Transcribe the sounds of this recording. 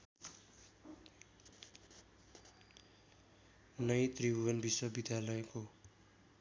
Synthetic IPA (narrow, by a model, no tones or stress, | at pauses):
nʌjt̪ribʱuwʌnbiswʌbid̪ʱjalʌeko